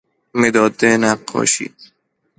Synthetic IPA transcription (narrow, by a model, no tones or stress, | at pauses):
med̪ɒːd̪enæqːɒ̰ːʃḭː